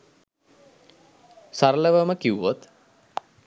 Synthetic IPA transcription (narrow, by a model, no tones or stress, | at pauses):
saɾələʋəməkiuʋot̪